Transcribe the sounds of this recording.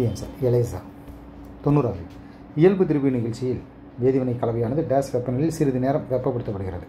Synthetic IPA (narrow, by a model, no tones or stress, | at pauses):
ijɐmsa̰ɾɛlɐɪsa̰ː | t̪ɔnːɯɾaːði | ɪjɐlbɯt̪ɪɾɯbinɪɣɐɭt͡ʃːɪjɪl | ʋeːðɪʋɐnɐɪkːɐɭɐʋɐjaːnɐðɯɖaːsʋɐpːɐnɐlɪlsɪɾɯðɯneːɾɐmɡɐpːɐpːɐɽɯt̪ːɐpːɐɽɯɣɪrɐðɯ